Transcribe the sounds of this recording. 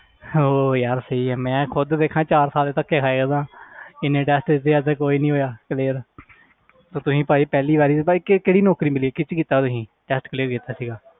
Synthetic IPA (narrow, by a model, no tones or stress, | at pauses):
oːjaɾsəiːɛːmɛ̃ːkʰʊd̪d̪eːkʰãːt͡ʃaːɾsaːleːt̪əkːeːkʰaːeːɡəd̪ãːɪnẽːʈɛːsʈɪsd̪eːəd͡ʒ̪əkoːiːnĩːɦoːjaːkleːɾ | t̪õːt̪ʊsĩːpaːiːpɛːliːbaːɾiːakekeːɽiːnɔːkɾiːmɪliːeːkɪt͡ʃkiːt̪aːt̪ʊsĩːʈɛːsʈkəleːɾkiːt̪aːsiːɡaː